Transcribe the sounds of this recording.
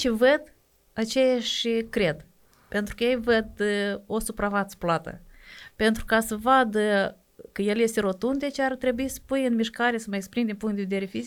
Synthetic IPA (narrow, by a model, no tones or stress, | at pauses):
t͡ʃevəd̪ | at͡ʃe̞jaʃʲkɾe̞d̪ | pe̞nt̪ɾukəjejvəd̪o̞supɾavat̪sə̥plat̪ə̰pe̞nt̪ɾukasəvad̪ə | kəje̞lje̞st̪e̞ɾo̞t̪und̪e̞t͡ʃeart̪ɾe̞buisə̥pujɨnmiʃkaɾesəməekspɾimd̪ʲinpuŋkt̪d̪eve̞d̪eɾe̞fizik